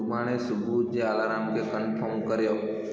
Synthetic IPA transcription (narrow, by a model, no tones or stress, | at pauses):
ʊbaːɽ̃esʊbʱud͡ʒeaːlaːɾãːmkʰekənpʰəɾmkəɾjoː